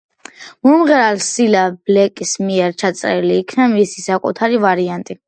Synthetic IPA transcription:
mumʁɛɾalsilab̥lɛkʼismiɛɾt͡ʃʰat̪sʼɾɛliːkʰnamisi̥sakʼṵt̪ʰaɾivaɾiant̪ʼi

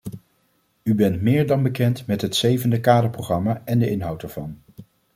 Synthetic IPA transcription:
ybɛntmɪːɹdɑnbəkɛntmɛtɦətsejvəndəkaːdəɹproχrɑmaːɛndəʔɪnɦʌwtdɛɹv̥ɑ̰n

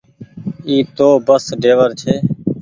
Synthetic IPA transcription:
iːt̪oːbəsɖeːʋəɾt͡ʃʰeː

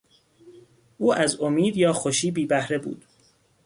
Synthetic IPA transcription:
ʔuːʔæzomiːd̪jɒːxoʃiːbiːbæhɾe̞bṵːd̪̥

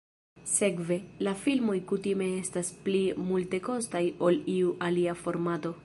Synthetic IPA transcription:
se̞kve̞lafilmo̞jkutime̞e̞stasplimulte̞ko̞stajo̞liuʔaliafo̞ɾmato̞

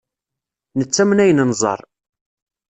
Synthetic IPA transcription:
nət͡sːæmnæjənnzˤɑ̰ɾˤ

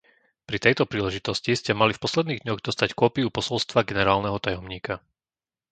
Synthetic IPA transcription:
pɾit̪ɛjt̪ɔpɾiːlɛʒit̪ɔsciscɛmalifpɔslɛd̪niːɣd̪ɲɔɣd̪ɔst̪ackɔːpiupɔsɔlst̪ʋaɡɛnɛɾaːlnɛɦɔt̪ajɔmɲiːka

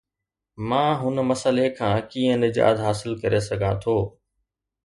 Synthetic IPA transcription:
mãːɦʊnmɐsəlekʰãːkiːə̃nɪd͡ʑa̰ːd̪ɦaːsɪlkɐɾesɐɡʱãt̪ʰoː

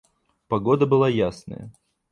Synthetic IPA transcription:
pɐɡod̪əbɨlˠajasnə̰jə̰

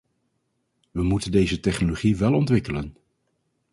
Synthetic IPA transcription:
ʋəmutəndejzətɛχnoloχiʋɛlˠɔntʋɪkələn

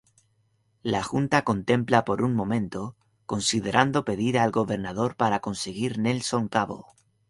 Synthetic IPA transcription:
laxunt̪ako̞nt̪ẽ̞mplapo̞ɾuŋmõ̞mẽ̞nt̪o | ko̞nsiðe̞ɾʔand̪o̞pe̞ðiɾaːlɡo̞βe̞ɾnaðo̞ɾpaɾako̞nse̞ɣiɾnelso̞ŋkaβo̞̰

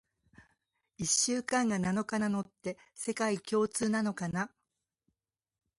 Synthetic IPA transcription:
iɕːɨːkãŋɡanano̞kanano̞t̪ːe̞se̞kaikʲo̞ːt͡sɨːnano̞kana

